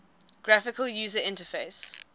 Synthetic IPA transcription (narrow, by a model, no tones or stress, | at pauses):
ɡ̥ɹafɪkəljuːzəɪ̃ntəfeɪs